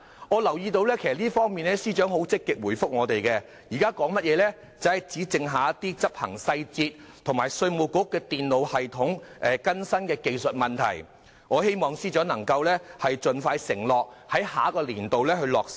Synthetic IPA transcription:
ŋɔː˨˧lɐ˨˩wjiː˧t̪o˧wlɛː˥kʰe˨˩sɐ˨tliː˥fɔː˥ŋmiː˨nlɛ˥siː˥t͡ʃœː˨˥ŋɦo˨˥wt͡sɪ˥kːɪ˨k̚wuː˨˩jfʊ˥k̚ŋɔː˨˧t̪e˨jkɛ˧ | jiː˨˩kaː˥kɔː˨˥ŋmɐ˥t̚jɛː˨˧lɛː˥ | t͡sɐ˨˥hɐ˨jt͡siː˨˥t͡sɪ˧ŋɦaː˨˧t̪iː˥t͡sɐ˥p̚hɐ̰˨˩ŋsɐ˧jt͡siː˧t̚t̪ʰʊ˨˩ŋmaː˨˩jsɵ˧ɥmo˨˧wkʊ˨˥kːɛː˧t̪iː˨nlo˨whɐ˨jt̪ʰʊ˨˥ŋʔɛː˨˩kɐ˥nsɐ˥nkɛː˧ke˧jsɵ˨t̚mɐ˨nt̪ʰɐ̰˨˩j | ŋɔː˨˧he˥jmɔː˨ŋsiː˥t͡ʃœː˨˥ŋnɐ˨˩ŋkɐ˧wlɛː˥hɐ˨jt͡ʃɵ˨nfaː˧jsɪ̰˨˩ŋlɔː˨k̚hɐ˨˥jhaː˨˥kɔː˧liː˨˩nt̪o˨wlɛː˥hɵ˧ɥlɔː˨ks

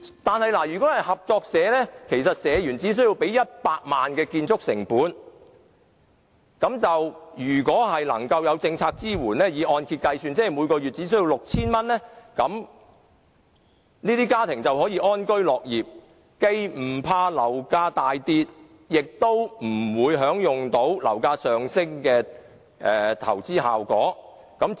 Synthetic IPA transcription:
t̪aː˨nhɐ˨jlaː˨˩jyː˨˩kɔː˨˥hɐ˨jhɐ˨p̚t͡sɔː˧k̚sɛː˨˥lɛ˥kʰe˨˩jsɐ˨t̚sɛː˨˧jyː˨˩nt͡siː˨˥s̬ɵ˥jiː˧wpe˨˥jjɐ˥t̚paː˧k̚maː˨nkɛː˧kiː˧nt͡sʰʊ˥k̚sɪ̰˨˩ŋpuː˨˥n | kɐ˨˥mt͡sɐ˨wjyː˨˩kɔː˨˥ɦɐ˨jlɐ̰˨˩ŋkɐ˧wjɐ˨˧wt͡sɪ˧ŋt͡sʰaː˧k̚t͡siː˥wuː˨˩nlɛː˥jiː˨˧˥ʔɔː˧nkʰi˧t̚kɐ˧jsyː˧nt͡sɛː˥˨˩jmuː˨˧jkɔː˧jyː˨t̚t͡siː˨˥s̬ɵ˥ji˧wlʊ˨k̚t͡sʰiː˥nmɐ˥nlɛː˥kɐ˨˥m | niː˥t̪iː˥kaː˥t̪ʰɪ˨˩ŋt͡sɐ˨wɦɔː˨˥jiː˨˧ʔɔː˥nkɵ˥ɥlɔː˨k̚jiː˨p̚ | ke˧jm̩˨˩pʰaː˧lɐ˨˩wkaː˧t̪aː˨jt̪iː˧t̚ | jɪ˨k̚t̪o˥wm̩˨˩wuː˨˧jɦœː˨˥ŋjʊ˨ŋt̪o˨˥wlɐ̰˨˩wkaː˧sœː˨ŋsɪ˥ŋkɛː˧ | ʔɛ˨˧t̪ʰɐ̰˨˩wt͡siː˥ɦa̰ː˨wkɔː˨˥ | kɐ˨˥m

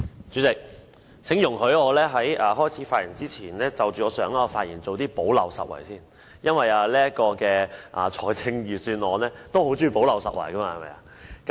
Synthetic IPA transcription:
t͡ʃyː˨˥t͡sɪ˨k̚ | t͡sʰɪ˨˥ŋjʊ˨˩ŋɦɵ˨˧ɥɔː˨˧lɛː˥ɦɐ˨˥jaː˨ɦɔː˥˩jt͡sʰiː˨˥faː˧t̚jɐ˨˩ŋt͡siː˥t͡sʰiː˨˩nlɛː˥t͡sɐ˨wt͡syː˨˩ɔː˨˧sœː˨˥ŋaː˧faː˧t̚jiː˨˩nt͡so˨wt̪iː˥po˨˥wlɐ˨wsɐ̰˨t̚wɐ̰˨˩jsiː˥˩n | jɐ˥nwɐ˨jaː˨liː˥jɐ˥t̚kɔː˧kɛː˧ʔa̰˨t͡ʃʰɔː˨˩jt͡sʰɪ˧ŋjyː˨syː˧nɔː˨˧nɛː˥t̪o˥who˨˥wt͡syː˧˥po˨˥wlɐ˨wsɐ˨t̚wɐ̰˨˩jkɐ˥ma˧hɐ˨jmɐ̰˨ja̰ː˨ | kɐ˨˦

